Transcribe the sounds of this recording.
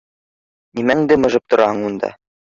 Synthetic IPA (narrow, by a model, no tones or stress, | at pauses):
nimæŋd̪ɘmɤ̆ʒɤp̚t̪ŏɾʔɑɦɤɴund̪ɑ̰